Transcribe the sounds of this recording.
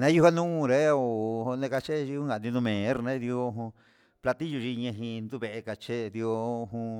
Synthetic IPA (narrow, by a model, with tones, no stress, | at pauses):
nã˧˦ju˦˧ha˦nũ˦˧˨ɾe˦o˨o˧nẽ˧ka˧t͡ʃe˦˧i˧ũ˦ŋɡa˨nĩ˧nũ˧mẽ˨˦ɾnã˦˧ði˧o˧ɦũ˧ | pla˧t̪i˦ju˧ʐi˧ɲã˧ɦĩ˧nd̪u˦˧βe˧ʔe˧ka˧t͡ʃe˦d̪i˧o˧ɦũ˧